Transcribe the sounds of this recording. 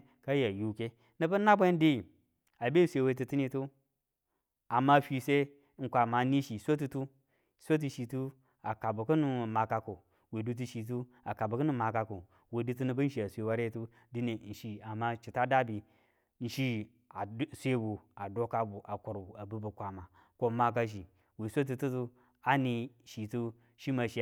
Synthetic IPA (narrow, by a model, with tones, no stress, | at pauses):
ka˦ja˨ju˨ke˦ | nə˦bɐ˦na˦bʷe˦n˦di˦˨ | a˨be˦sʷe˨we˦t̬i˦ti˦ni˨tu˦ | a˨ma˦fi˨se˦ | ŋ̩˨kʷa˨ma˨˦ni˦ʃi˨sʷe˦t̬u˨tu˦ | sʷe˦t̬i˨ʃi˨tu˦ | a˨ka˨bu˨kə˦nu˨ma˨ka˨ko˨ | we˨du˦t̬i˦ʃi˨t̬u˦ | a˨ka˨bu˨kə˦nu˦ma˨ka˨ko˨ | we˨du˦t̬u˦nɨ˨bɨ˦n̩˦ʃi˨a˨sʷe˨wa˦ɾe˦tu˦ | di˦ne˨n̩˨ʃi˦˨a˨ma˦t͡ʃi˨ta˦da˦bi˨ | n̩˨ʃi˦ | a˨˦sʷe˦bu˨a˨do˦ka˦bu˨ʔa˨ko˨ɾbu˨a˨bu˦bu˨kʷa˨ma˨ | ko˦ma˦k̬a˦ʃ̬i˨ | we˨sʷe˦t̬u˨tu˦tu˦ | a˦ni˦ | ʃi˨tu˦ | ʃi˦ma˨ʃi˨